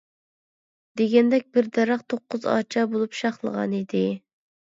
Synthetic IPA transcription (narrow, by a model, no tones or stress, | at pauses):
d̪̥eɡʲɛnd̪ɛk̚ʲbɪɾd̪ɛɾɑqt̪ʰoqːʊzɑ̰ːt͡ʃʰɑbolˠupʃɑχlˠə̰ʁɑ̰nid̪ɪ